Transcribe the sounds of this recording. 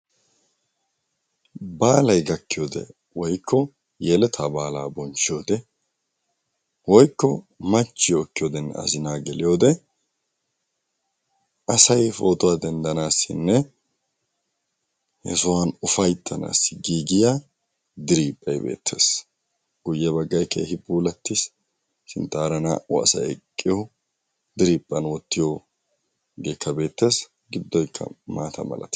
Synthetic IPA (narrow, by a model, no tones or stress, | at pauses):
baːlɐjɡɐkːɪjoːd̪ɛ̰ | wɔjkːɔ | jɛlɛt̪ʰaːbaːlaːbɔnt͡ʃːɪjo̞ːd̪ɛ | wɔjkːɔ | mɐt͡ʃːɪjokːɪjoːd̪ɛnːɛ̰ɐ̰zɪnaːɡɛlɪjo̞ːd̪ɛ | ɐsɐjfo̞ːt̪ʊwaːd̪ɛnd̪ɐnaːsːɪ̰nːɛ | hɛ̰sʊwanʊfɐjt̪ʰːɐna̰ːsɪɡiːɡɪja | d̪ɪɾiːpʼːɐjbe̞̰ːt̪ʰːe̞̰ːs | ɡ̥ʊjːɛbɐɡːɐjkḛːhɪbuːlɐt̪ːɪs | sɪ̰nt̪ːaːɾɐna̰ːɔɐ̰sɐ̰ɛ̰kʼːɪjo | d̪ɪɾiːpʼːɐnwɔt̪ːɪjo | ɡeːkʰːɐbe̞ːt̪ːe̞ːs | ɡɪd̪ːɔjkʰːɐ̰maːt̪ʰɐ̰mɐ̰lɐ̰t̪